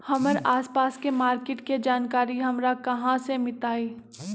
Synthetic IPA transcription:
hɐməɾaːspaːskemaːɾkeːʈked͡ʒaːnkaːɾiɦɐmɾakɐɦãsemɪt̪aːiː

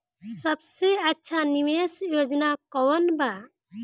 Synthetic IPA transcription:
səbseətːʃʰaniwesjod͡ʒnakɔwənba

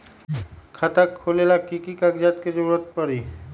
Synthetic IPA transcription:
kʰat̪akʰːolelakikikaɡd͡ʒat̪̚ked͡ʒoɾɾət̪̚pəɾi

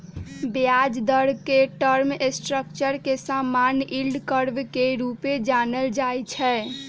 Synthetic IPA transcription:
bjad͡ʒd̪əɾkeʈəɾmesʈɾəkt͡ʃəɾkesamanilɖkəɾbkeɾuped͡ʒanəld͡ʒajt͡ʃʰɛ

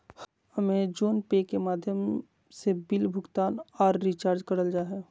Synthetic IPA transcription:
həmẽd͡ʒoːnpekemaːd̪ʱjəm | sebɪlbʱʊɡt̪aːnɔːɾːit͡ʃaːɾd͡ʒkɐɾəld͡ʒaːɦɛ

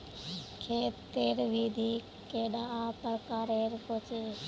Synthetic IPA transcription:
kʰeːtt̪ːeːɾʋiːd̪ʱiː | keːɗaãːpəɾkaːɾeːɾkot͡ʃeː

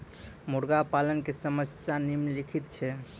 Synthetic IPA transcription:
muɾɡapalənkesəməsjanimlikʰit̪t͡ʃʰɛ

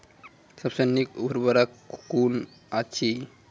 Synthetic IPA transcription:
səbsənikṵbʱɾbaɾakun | at͡ʃʰi

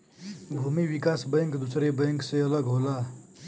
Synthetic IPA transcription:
bʱumiʋikasbəjŋkd̪usɾebəjŋksẽələɡɦola

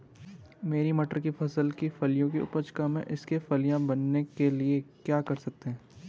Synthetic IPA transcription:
meːɾimɐʈəɾkifɐsəlkifɐlijõkiʊ̰pət͡ʃkamḛ̃ʔɪskefɐlijãbɐnːekeliekjaːkɐɾsɐk̚t̪eɦɛ̃ː

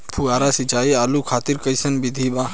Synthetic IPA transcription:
pʰuaːɾasit͡ʃaːiaːlukʰaːt̪iɾkəjsənbid̪ʱibãː

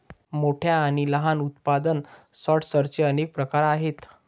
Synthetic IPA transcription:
moʈʰjaːɽ̃iləɦanut̪pad̪ənsɔʈsəɾt͡ɕeənek̚pɾəkaɾaɦet̪

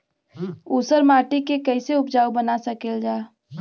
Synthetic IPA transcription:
usəɾmaːʈikekəːɪseʊp̚d͡ʒaːubənasəkeld͡ʒaː

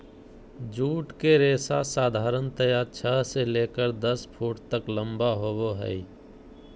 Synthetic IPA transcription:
d͡ʒuːʈkeɾeːsasaːd̪ʱaːɾənt̪əjaːt͡ʃʰəseleːkəɾd̪əspʰuːʈt̪əklə̃mbaɦoːʋoɦɛ̰i

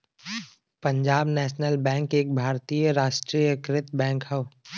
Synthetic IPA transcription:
pɐ̃ɲd͡ʒaːbnɛːʃnəlbɛ̃ːŋkeːk̚bʱaːɾt̪ijəɾaːʃʈɾijəkɾɪt̪bɛ̃ːŋkɦɛʋ

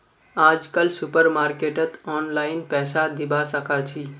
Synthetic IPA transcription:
ad͡ʒkəlsupəɾmaɾkeʈət̪ɔːnlaɪnpɛːsad̪ibasəkat͡ʃʰi

